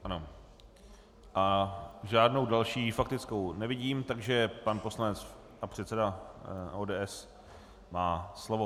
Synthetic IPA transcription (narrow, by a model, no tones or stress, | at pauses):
ʔano | ʔaʒaːdno̞wdalʃiːfak̚t̪ɪt͡skownɛvɪɟiːmt̪aɡʒɛpanpo̞slanɛt͡s | ʔapr̝̥ɛt̪sɛdaoːdɛːʔɛs | maːslovo